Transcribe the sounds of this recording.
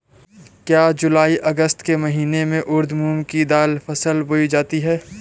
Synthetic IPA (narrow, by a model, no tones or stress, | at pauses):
kjaːd͡ʒʊlaːiʔɐɡəst̪kemɐɦiːnemẽʔʊɾd̪ʱmuːmkid̪aːlfʰɐsəlbʊid͡ʒaːt̪iɦɛː